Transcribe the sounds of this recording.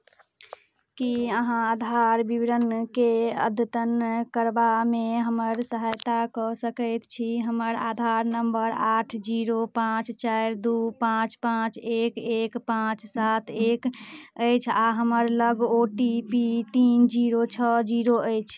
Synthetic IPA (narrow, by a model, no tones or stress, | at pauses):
kiəɦãad̪ʱaɾbibɾənkeə̰d̪ʱət̪ənkəɾbameɦəməɾsəɦajt̪akɔsəkəjt̪t͡ʃʰiɦəməɾa̰d̪ʱaɾnəmbəɾaʈʰd͡ʒiɾopãt͡ʃt͡ʃajɾd̪upãt͡ʃpãt͡ʃekekpãt͡ʃsat̪ʰekəjt͡ʃʰaɦəməɾləɡoʈipit̪ind͡ʒiɾot͡ʃʰəd͡ʒiɾoəjt͡ʃʰ